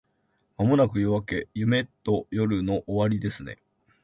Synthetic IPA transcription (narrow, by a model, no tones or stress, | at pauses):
mamo̞nakɯ̟joβake̞jɯ̟me̞t̪ːo̞jo̞ɾɯ̟no̞ʔoβaɾʲid̪e̞sɨne̞̰